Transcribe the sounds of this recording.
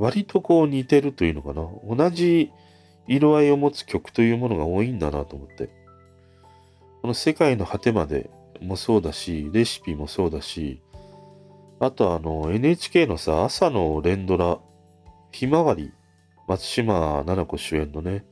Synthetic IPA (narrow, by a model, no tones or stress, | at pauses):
βaɾʲit̪o̞ko̞ːɲ̟it̪e̞ɾɯ̟t̪o̞jɯ̟ːno̞kanao̞naʑiː | ɾoaio̞mot͡sɨ̥kʲo̞kɯ̟̥t̪o̞jɯ̟ːmo̞no̞ɡao̞ːĩnd̪anat̪o̞ːmot̪ːe̞̰ | ko̞no̞se̞kaino̞hat̪e̞mad̪e̞̰ | mo̞so̞ːd̪aɕiɾe̞ɕi̥pʲimo̞so̞ːd̪aɕi | at̪o̞ano̞e̞nɯe̞ːt͡ɕi̥ke̞ːno̞saasano̞ɾẽ̞nd̪o̞ɾa | çimaβaɾʲḭ | mat͡sɨ̥ɕimananako̞ɕɨẽ̞nːo̞ne̞